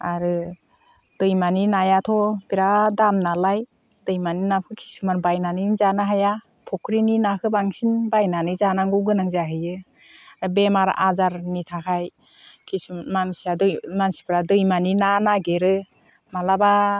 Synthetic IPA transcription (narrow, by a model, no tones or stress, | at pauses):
aɾɯ | d̥ɯjmaninajatʰɔbiɾadamnalaj | dɯjmaninap̚kʰɯkʰi̥sumanbajnanizanaɦaja | pʰɔkʰɾininakʰɯbaŋsinbajnanɯzanaŋɡɔwɡɯnaŋzaɦɯjɯ | aɾɯbemaɾ̰ʔazaɾnitʰakʰaj | kʰisumansiadjmansi̥pʰɾadɯjmaninanaɡeɾɯ | malaba